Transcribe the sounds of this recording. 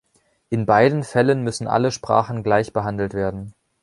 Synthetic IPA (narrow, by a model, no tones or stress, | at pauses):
ʔɪnbaɪdən̩fɛlənmʏsn̩ʔa̰ləʃpʁ̥a̰ːχn̩ɡlaɪçb̥əɦandl̩tv̥eːɐdn̩